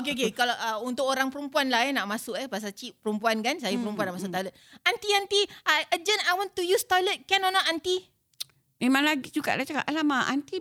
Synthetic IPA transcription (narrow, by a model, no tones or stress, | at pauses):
ok̬eok̬ekalaʔəunt̪ʊkoɾaŋpəɾumpuanlaɛnaʔmasʊkəpas̬at͡ʃiʔpəɾumpuankansajapəɾumpuanːaʔmasʊt̪ajlət̪̚ant̪iant̪iaʔəd͡ʒənajwɔ̃nt̪ujust̪ajlət̪̚kɛnɔnɔʔant̪i | mẽmãŋlaɡid͡ʒuka̰ʔlat͡ʃakaʔalamaʔa̰nt̪i